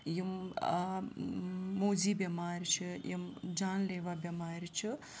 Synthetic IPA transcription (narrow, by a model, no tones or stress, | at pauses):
jim | oːziːbʲɐmaːɾʲt͡ʃʰijimd͡ʒaːnleːʋabjɐmaːɾʲt͡ʃʰi